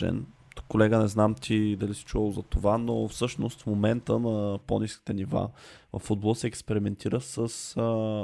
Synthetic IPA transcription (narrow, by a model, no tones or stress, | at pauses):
ɛ̰n | t̪u̥kːolɛɡənɛznamt̪ʰid̪ɐlisi̥t͡ʃuvəlˠzɐt̪ovanofsɤʃnost̪fmomɛnt̪ənɐponiski̥t̪ɛniva̰vəfːud̪̚bolˠəsɛːkspɛɾimɛnt̪ʰiɾəsəs